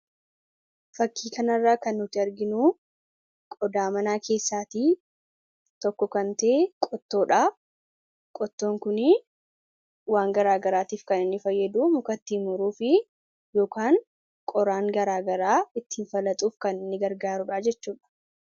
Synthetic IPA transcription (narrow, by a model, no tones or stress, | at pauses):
fɐkːiːkɐnɐrːaːkɐnːʊt̪ːɪɐɾɡɪnuː | kʼɔd̪aːmɐnaːkʰe̞ːsːaːt̪iː | t̪ɔkːɔkɐnt̪ɐeːkʼɔt̪ːo̞ːᶑaː | kʼɔt̪ːo̞ːŋkʊnɪ | waːŋɡɐɾaːɡɐɾaːt̪iːfkɐnɪnːɪfɐjːɐd̪uːmʊkɐt̪ːiːmʊɾuːfɪ | joːkaːŋ | kʼɔɾaːŋɡɐɾaːɡɐɾaːɪt̪ːiːnfɐlɐt̪ʼuːfkɐnɪnːɪɡɐɾɡaːɾʊᶑaːd͡ʒɛt͡ʃːuːᶑɐ̥